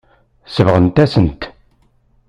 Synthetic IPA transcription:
səvʁənt̪æsənt̪

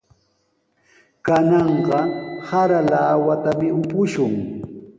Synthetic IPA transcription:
kanɑɴɢɑhaɾalaːwat̪amɪʊpʊʃʊŋ

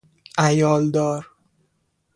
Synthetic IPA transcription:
ʔæjɒːld̪ɒːɾ

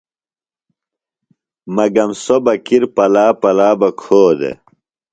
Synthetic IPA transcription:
mɐɡɐmsobɐkiɾpɐlaːpɐlaːbɐkʰoːd̪ḛ

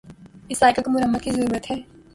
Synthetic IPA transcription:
ɪsaːjkakomʊɾɐmːət̪̚kizɐɾuːɾət̪ɦɛː

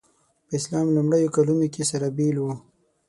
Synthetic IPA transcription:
pəɪslɑmlumɽəjokalunokesaɾabilwu

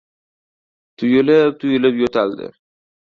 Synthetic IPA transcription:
t̪ʰʊjʊlɪp̚t̪ʰʊjɪlɪpjot̪ʰald̪ɪ̰

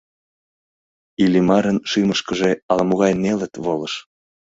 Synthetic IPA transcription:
ilimɑɾənʃiməʃkəʒeɑlmoɣɑjnelə̆t̪βoləʃ

